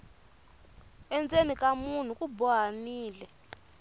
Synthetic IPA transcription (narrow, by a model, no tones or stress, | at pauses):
ɛnd͡zenikʼamun̤ukʼubɔɦaniːlɛ